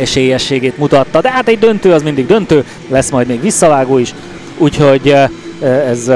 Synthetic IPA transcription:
ɛʃeːjːɛʃːeːɡeːt̪mut̪ɒt̪ːɒd̪ɛɦaːt̪ɛɟd̪ønt̪øːɒzmind̪iɡd̪ønt̪øː | lɛsmɒjd̪meːɡʋisːɒvaːɡoːiʃ | uːcho̞ɟ | ɛz

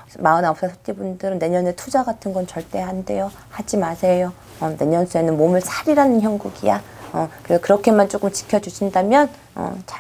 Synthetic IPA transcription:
maɯnap̚s͈ʌsʰʌt͈ibundɯɾɯnːe̞ɲʌne̞tʰud͡ʑaɡatʰɯnɡʌnt͡ɕʌɭt͈e̞ɦande̞jo | had͡ʑimasʰe̞jo | ʌne̞ɲʌnsʰue̞nɯnmomɯɭsʰaɾiɾanɯnçjʌŋɡuɡijaʌkɯekɯɾʌkʰe̞mant͡ɕ͈ok͈ɯmt͡ɕi̥kʰjʌd͡ʑuɕʰindamjʌn | ʌ̰t͡ɕa

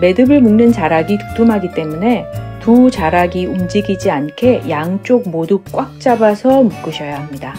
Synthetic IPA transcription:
me̞dɯbɯɭmuŋnɯnt͡ɕaɾaɡitɯ̥tʰumɦaɡit͈e̞mune̞tut͡ɕaɾaɡiumd͡ʑiɡid͡ʑiankʰe̞jaŋt͡ɕ͈ok̚moduk͈wʔak̚t͡ɕ͈abasʰʌmuk͈ɯɕʰʌjaɦamɲida

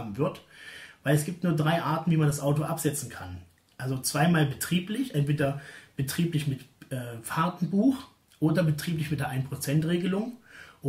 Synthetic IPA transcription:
bm̩vɪɐtvaɪlɛs̬ɡ̥iːp̚tnuːɐdʁaɪʔaːɐtn̩viːmandasʔaʊtoʔapz̥ɛt͡sn̩kʰan | ʔalzot͡sv̥aɪmaːlbətʁ̥iːplɪçʔɛntv̥eːdɐb̥ətʁ̥iːplɪçmɪtʔɛːfaɐtn̩buːx | ʔoːdɐbətʁ̥iːp̬lɪçmɪt̚d̥eɐʔaɪnpʁ̥ot͡sɛntʁeːɡəlʊŋʔo

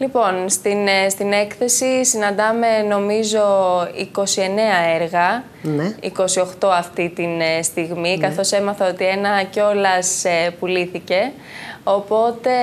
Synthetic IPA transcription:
lipo̞nst̪inst̪ine̞kθe̞sisinɐnd̪ɐme̞no̞mizo̞iko̞sie̞ne̞ɐeɾɣɐ | nḭko̞sio̞xt̪o̞ɐft̪it̪inst̪iɣmikɐθo̞se̞mɐθɐo̞t̪ie̞nɐceo̞lɐsepuliθice̞ | o̞po̞t̪e̞

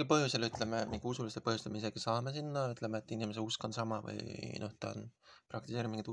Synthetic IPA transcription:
ilpɤɦjuselyt̪ːˑle̞memiŋɡ̥usulist̪epɤhjust̪emeise̞ɡ̥isɑːme̞sinːɑyt̪ːˑle̞meet̪ːˑinime̞s̬eusko̞nsɑmɑvɯ̰jnʔo̞̰ht̪ɑ̰o̰n | pɾɑk̚t̪iseɾimiŋɡid̪

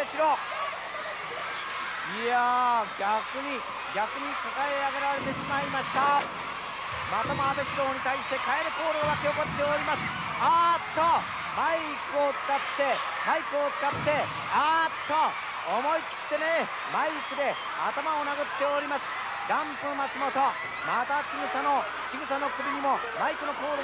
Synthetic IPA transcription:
e̞ɕiɾo̞ː | iaɡʲakɯɲ̟i | ɡʲakɯ̟ɲ̟ikakaeaɡe̞ɾaɾe̞t̪e̞ɕimaimaɕi̥t̪a | mat̪amoabe̞ɕiɾo̞ːɲ̟it̪aiɕi̥t̪e̞kae̞ɾɯ̟ko̞ːɾoβakʲeokot̪ːe̞oɾʲimasɨ̥ | at̪ːo̞ | ma | kɯ̟o̞t͡sɨ̥kat̪ːe̞ | maikɯ̟ot͡sɨ̥kat̪ːe̞ | at̪ːo̞ː | mo̞ikʲi̥t̪ːe̞ne | maikɯ̟d̪e̞ | a̰t̪amaonaɡɯ̟t̪ːe̞oɾʲimasɨ̥ | ɾãmpɯmat͡ɕimo̞t̪o̞ | mat̪at͡ɕiɡɯ̟sano̞ | t͡ɕiɡɯ̟sano̞kɯbʲiɲ̟imo̞ | maikɯ̟no̞ko̞ːɾ

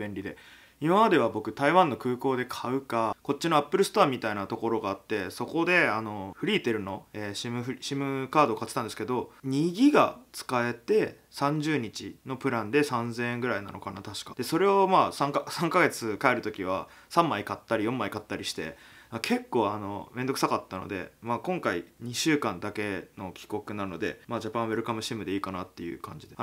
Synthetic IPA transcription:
bẽ̞ɲɾʲid̪e̞̰ | imamad̪e̞β̞abo̞kɯ̟t̪aiβãnːo̞kɯ̟ːko̞ːd̪e̞kʰaɯ̟kako̞t͡ɕːino̞apːɯ̟ɾɯ̟sɨ̥t̪o̞amʲit̪ainat̪o̞ko̞ɾo̞ɡaːt̪ːe̞so̞ko̞d̪e̞ano̞ɸɯ̟ɾʲiːt̪e̞ɾɯ̟no̞eːɕimɯ̟ɸɯ̟ɕimɯ̟kaːd̪o̞ːkat͡sɨ̥t̪ãnd̪esɨ̥ked̪o̞ɲ̟iɡʲiɡa̰t͡sɨ̥kae̞t̪e̞ | sãɲ̟d͡ʑɨːɲ̟it͡ɕḭno̞pɯ̟ɾãnd̪e̞sãnzẽẽŋɡɯ̟ɾaina̰no̞̰kanat̪aɕi̥kḁd̪̥e̞so̞ɾe̞o̞maːsãŋkasãŋkaɡe̞t͡sɨkae̞ɾɯ̟t̪o̞kʲiβ̞a | sãmːaikat̪ːaɾʲijõ̞mːaikat̪ːaɾʲiɕi̥t̪e̞̰akʰe̞kːo̞ːano̰mẽ̞nd̪oɯ̟sakat̪ːano̞̰d̪e̞̰maːkõŋkaiɲ̟iɕɨːkãnd̪ake̞no̞kʲi̥ko̞kɯ̟naɾɯ̟nod̪e̞maːd͡ʑapãɰ̃βeɾɯ̟kamɯ̟ɕimɯ̟d̪e̞iːkanat̪ːe̞jɯ̟̰kã̰ɲ̟d͡ʑid̪e

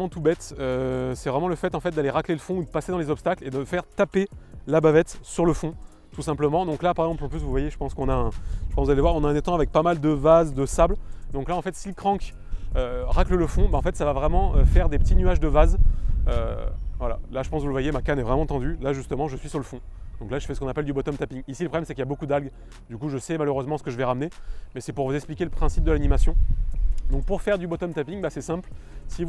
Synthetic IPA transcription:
mɑ̃t̪ubɛt̪øsɛvʁɛmɑ̃ləfɛt̪ɑ̃fɛt̪̚d̪aleʁakleləfɔ̃ud̪əpased̪ɑ̃lezɔpst̪akled̪əfɛʁt̪apelabavɛt̪syʁləfɔ̃ | t̪usɛ̃pləmɑ̃d̪ɔ̃klapaʁɛɡzɑ̃plɔpys̬vuvwajeʒə̥pɑ̃skɔ̃naɛ̃ʒ̥əpɑ̃sd̪alevwaʁɔ̃naɛ̃nɛt̪ɑ̃avɛk̚pamald̪əvazd̪əsabld̪ɔ̃klaɑ̃fɛt̪silkχɑ̃k | øʁaklələfɔ̃baɑ̃fɛt̪savavʁɛmɑ̃øfɛʁd̪epət̪inyaʒd̪əvazø̰vwala̰laʒəpɑ̃svuləvwajemakanɛvʁɛmɑ̃t̪ɑ̃d̪ylaʒyst̪əmɑ̃ʒəsɥisyʁləfɔ̃d̪ɔ̃klaʒə̥fɛsə̥kɔ̃napɛld̪ybɔt̪ɔmt̪apiŋisiləpχɔblɛmsɛkiljabokud̪alɡ | d̪ykuʒəsɛmaløʁøzmɑ̃sə̥kəʒəvɛʁamnemɛsɛpuʁvuzɛksplikʲeləpχɛ̃sip̚d̪əlanimasjɔ̃d̪ɔ̃k̚puʁfɛʁd̪ybɔt̪ɔmt̪apiŋbasɛsɛ̃plsi

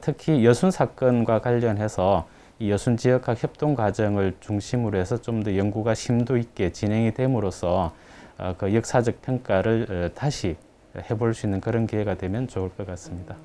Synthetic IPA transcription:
tʰɯkʰijʌsʰunsʰak͈ʌnɡwakwaʎːʌnɦe̞sʰʌ | ijʌsʰunt͡ɕijʌkʰakçjʌp̚t͈oŋɡwad͡ʑʌŋɯɭt͡ɕuŋɕʰimɯɾoɦe̞sʰʌt͡ɕomdʌjʌŋɡuɡaɕʰimdoit̚k͈e̞t͡ɕinɦe̞ŋidwe̞mɯɾosʰʌ | ʌkɯjʌk̚s͈ʰad͡ʑʌk̚pʰeŋk͈aɾɯɭɯtaɕʰi | he̞boɭs͈uinːɯnkɯɾʌnkieɡadwe̞mjʌnt͡ɕoɯɭk͈ʌk͈as͈ɯmɲida

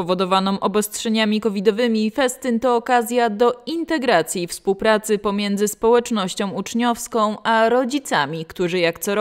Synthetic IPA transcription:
pɔvɔd̪ɔvanɔ̃mʔɔbɔstʂɛɲamʲikɔvʲid̪ɔvɘmʲiːfɛst̪ɘnt̪ɔːkazʲjad̪ɔint̪ɛɡɾat̪sʲjifspuwpɾat̪sɘpɔmʲjɛnd̪zɘspɔwɛt͡ʂnɔɕt͡ɕɔ̃w̃ut͡ʂɲɔfskɔ̃w̃ʔaɾɔd͡ʑit̪samʲikt̪uʐɘjakt̪sɔɾ

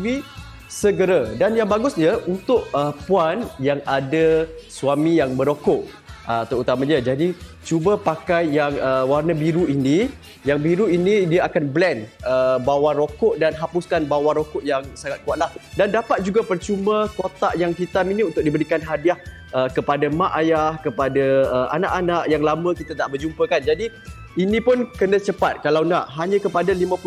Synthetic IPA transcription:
vi | səɡəɾadanjaŋbaɡʊsɲəʔunt̪ʊʔəpuanjaŋadasuamijaŋbəɾokʊʔ | ət̪əut̪amãɲəd͡ʒadi | t͡ʃubəpakajjaŋəwarnabiɾuini | jaŋbiɾuinidiaakanblɛnəbawarokʊʔdanɦapuskanbawaɾokʊʔjaŋsaŋat̪̚kuaʔ̪̚lahdandapat̪̚d͡ʒuɡapərt͡ʃumə̃kot̪aʔjaŋɦit̪aminiunt̪ʊk̚dibəɾikanɦadiah | ʔəkəpadamãʔajahkəpadaəa̰naʔanaʔjaŋlamə̃kit̪at̪aʔbərd͡ʒumpəkand͡ʒadi | inĩpʊnkənə̃t͡ʃəpat̪̚kalawnaʔɦaɲə̃kəpadalimə̃pu

